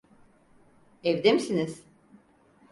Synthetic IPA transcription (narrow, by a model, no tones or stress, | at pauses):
ɛvd̪emisiniz̥